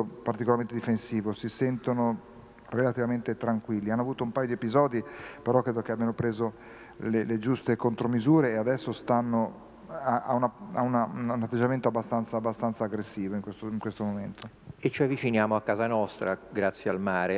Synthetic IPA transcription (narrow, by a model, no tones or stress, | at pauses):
opart̪ikolaɾment̪ed̪ifensiːvosisɛnt̪ono | relat̪ivament̪et̪ɾaŋkwilːianːoavuːt̪oumpajod̪iepizɔːd̪ipeɾɔkːɾeːd̪okeabjanopɾeːzo | leled͡ʒust̪ekont̪ɾomizuːɾeːad̪ɛsːost̪anːo | aa̰unaa̰unaununat̪ːed͡ʒːament̪oabːast̪ant̪saːbːast̪ant̪saːɡɾesːiːvoiŋkwest̪oiŋkwest̪omoment̪ʰo | et͡ʃːiavːit͡ʃinjaːmoakːaːzanɔst̪ɾaɡɾat̪sːjealmaːɾe